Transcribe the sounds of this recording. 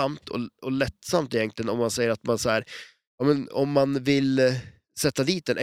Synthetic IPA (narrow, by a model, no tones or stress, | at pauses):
amt̪ʰɔ̰ɔlɛt̪ːsamt̪ɪjɛnŋk̪ʰlɪənɔmːansɛjːəɾat̪mansɔhæːɾ | jɑːmɛnɔ̰mːanvɪl | sɛt̪ːad̪iːt̪̚d̪ɛnʔɛ